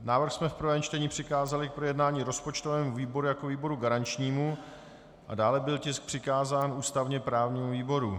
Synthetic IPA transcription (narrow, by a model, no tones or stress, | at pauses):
naːvr̩xsmɛfpr̩vɛːmt͡ʃt̪ɛɲiːpr̝̥ɪkaːzalɪk̚pɾojɛdnaːɲiːɾo̞spot͡ʃt̪ovɛːmuviːbo̞ɾujako̞viːbo̞ɾuɡaɾant͡ʃɲiːmu | ʔa̰daːlɛbɪlcɪsk̚pr̝̥ɪkaːzaːnʔuːst̪avɲɛpɾaːvɲiːmuviːbo̞ɾu